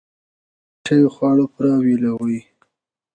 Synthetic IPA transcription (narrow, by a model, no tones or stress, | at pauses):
ʈʰəjoxwɑɽopɾɑwilawəj